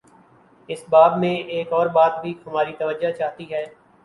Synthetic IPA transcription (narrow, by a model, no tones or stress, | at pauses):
ɪsbaːbmẽeːkɔːɾbaːt̪̚bʱihɐmaːɾit̪ɐʋəd͡ʒat͡ʃaːɦt̪iɦɛː